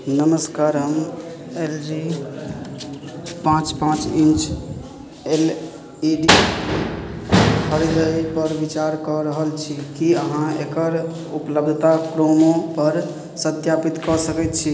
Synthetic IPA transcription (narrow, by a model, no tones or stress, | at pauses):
nəməskaɾɦəmelɾi | pãt͡ʃpãt͡ʃint͡ʃ | el | iɖi | kʰəɾid̪əjpəɾbit͡ʃaɾkɔɾəɦəlt͡ʃʰikiəɦãekəɾ | upləbd̪ʱt̪akɾomopəɾ | sət̪japit̪kɔsəkɛt̪t͡ʃʰi